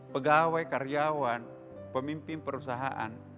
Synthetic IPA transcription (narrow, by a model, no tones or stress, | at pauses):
pəɡawajkaɾiawan | pəmimpɪnpəɾusaɦaʔa̰n